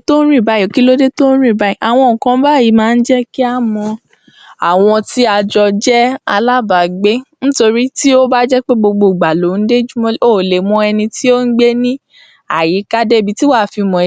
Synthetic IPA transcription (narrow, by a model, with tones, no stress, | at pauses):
to˦ɾĩ˦˨ba˨˦˨ɔ˨ki˦lo˦de˦to˦n̩˦ɾĩ˦˨ba˦i˨ʔa˨w̃ɔ̃˧˨kã˧˦ba˦˨ji˨˦mãː˨˦˧n̩˦d͡ʒɛ˦ki˦a˦mɔ̃˧ | a̰˨w̃ɔ̃˧ti˦a˧d͡ʒɔ˧d͡ʒɛ˦a̰˧la˦ba˨ɡ͡be˦ñ̩˦to˧ɾi˦ti˦o˦ba˦d͡ʒɛ˦k͡pe˦ɡ͡bo˧ɡ͡bo˧˨ɡ͡ba˨lo˨˦n̩˦de˦d͡ʒu˦mɔ̃˦o˦˨le˨mɔ̃˧ɛ˧nĩ˧tʰi˦o˦n̩˦ɡ͡be˦nĩ˦ | a̰˨ji˨˦ka˦de˦˨bi˧ti˦wa˦˨fi˧mɔ̃˨